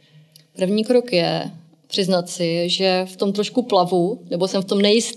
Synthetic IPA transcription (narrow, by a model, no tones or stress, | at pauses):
pr̩vɲiːkɾo̞kjɛ | pr̥ɪznat̪sɪʒɛft̪o̞mt̪ɾoʃkuplavunɛbo̞sɛmft̪o̞mnɛjɪst̪